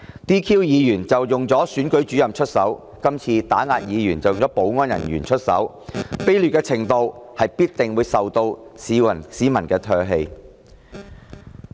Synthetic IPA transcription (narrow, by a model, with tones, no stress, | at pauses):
t̪iː˥kʰiː˥wjiː˨˧jyː˨˩nt͡sɐ˨wjʊ˨ŋt͡sɔː˨˥syː˨˥nkɵ˨˥ɥt͡ʃyː˨˥jɐ˨mt͡ʃʰɵ˥t̚sɐ˨˥w | kɐ˥mt͡sʰiː˧t̪aː˨˥ŋaː˧t̚jiː˨˧jyː˨˩nt͡sɐ˨˩wjʊ˨ŋt͡sɔː˨˦˥po˨˥wŋɔː˥njɐ̰˨˩njyː˨˩nt͡ʃʰɵ˥t̚sɐ̰˨˥w | pe˥jlyː˨t̚kɛː˧t͡sʰɪ˨˩ŋt̪o˧whɐ˨jpiː˥t̚t̪ɪ˨ŋwuː˨˧jsɐ˨wt̪o˧wsiː˨˥ɐ˨˩nsiː˨˥mɐ˨˩nkɛː˧t̪ʰœː˧ɦe˧j